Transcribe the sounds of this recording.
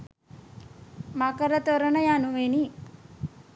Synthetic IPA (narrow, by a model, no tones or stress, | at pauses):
makɐɾɐt̪oɾɐnɐjanuʋeni